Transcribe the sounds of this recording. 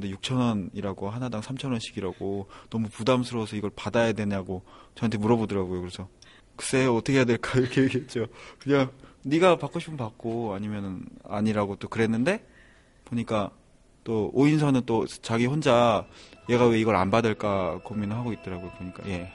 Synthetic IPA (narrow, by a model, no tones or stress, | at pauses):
nde̞juk̚t͡ɕʰʌnʌniɾaɡoɦanadaŋsʰamt͡ɕʰʌnwʌnɕʰi̥ɡiɾaɡonʌmupudamsʰɯɾosʰʌiɡʌɭpadajadwe̞ɲaɡot͡ɕʌantʰemuɾʌbodɯɾaɡojokɯɾe̞sʰʌ | kɯ̥s͈eʌtʰʌkʰejadwe̞ɭk͈aiɾʌkʰeɡet͡ɕ͈okɯɲaŋniɡapak͈oɕʰi̥pʰɯnpak̚k͈oaɲimjʌnɯna̰ɲiɾaɡot͈okɯɾe̞nːɯnde̞ | poɲik͈a | t͈ooinsʰʌnɯnt͈ot͡ɕaɡihond͡ʑaje̞ɡaweiɡʌɾa̰nbadɯɭk͈akominɯɭɦaɡoit̚t͈ʌɾaɡojopoɲik͈a̰je̞